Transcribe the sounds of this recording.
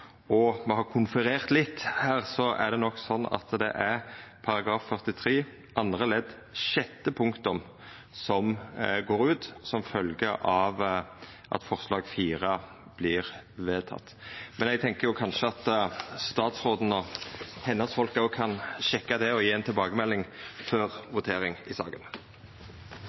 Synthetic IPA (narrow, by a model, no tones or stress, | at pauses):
ɔmɛhɑɾkʰʊnfəɾeːʁt̪lɪt̪ːhæːʁsɔæ̰d̪ɛnɔkːsɔnːɑ̰t̪d̪ɛ̰ʔæɾpʰɑɾɑɡɾɑːfːœʁt̪ɪt̪ʰɾeː | ʔɑnd̪ɾʁəlɛd̪ | ʃɛt̪ːəpʰʊŋkt̪ʊm | sɔmɡoːɾʉːt̪sɔmfœlɡəʔɑʋ | ʔɑ̰t̪fɔʁslɑːɡfiːʁə | b̥lɪʁʋeːt̪ʰɑ̰t̪ːmɛnɛɡt̪ʰɛŋkəɾjʊkʰɑnʃəɑt̪st̪ɑːt̪sʁoːd̪n̩ɔhɛnɑsfɔlkɑʊkʰɑnʃɛkːɑd̪ɛɔjiːɛnt̪ʰɪlbɑːɡəmɛlːɪŋføʁʋʊt̪ʰeːɾɪŋɪsɑ̰ːɡən